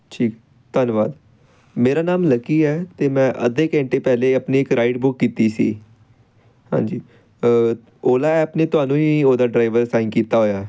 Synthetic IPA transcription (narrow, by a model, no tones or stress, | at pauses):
ʈʰiːk | t̪ənʋa̰ːd̪ | meːɾaːnaːmləkiːɛːt̪eːmɛ̃ːʔə̰d̪eːkɛ̃ːɳʈeːpɛːleːəpniːɪkɾaːiʈbʊkːiːt̪iːsḭː | hã̰ːd͡ʒiː | oːlaːɛːpneːt̪ʊaːnũːiːoːd̪aːɖɾaːɪʋəɾsãːɪnkiːt̪aːɦoːjaː